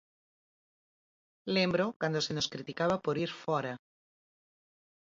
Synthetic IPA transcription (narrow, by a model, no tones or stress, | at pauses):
lembɾokwand̪osenoskɾit̪ikaβapoɾiɾfɔɾa